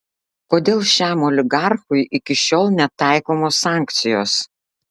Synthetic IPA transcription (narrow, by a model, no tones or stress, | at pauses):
koːd̪ʲeːlˠʃʲæːmɔːlʲɪɡɑɾxʊjʔɪkʲɪʃʲoːlˠnʲɛt̪ɑˑɪkoːmoːsɑˑŋʲkt̪sʲɪjo̰ːs